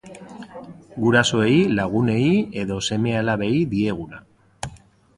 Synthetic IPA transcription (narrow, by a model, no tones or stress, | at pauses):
ɡuɾaso̞e̞ilaɣ̞une̞ie̞ðo̞se̞me̞alaβe̞iðie̞ɣ̞una̰